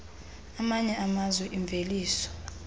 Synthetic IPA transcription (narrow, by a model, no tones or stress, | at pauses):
amaɲɛʔamazwɛʔiɱb̪vʱeliːsɔ̥